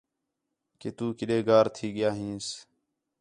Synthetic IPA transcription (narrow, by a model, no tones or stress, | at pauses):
keːt̪uːkɪɗeːɡaːɾt̪ʰiːɠɪjaːɦĩːs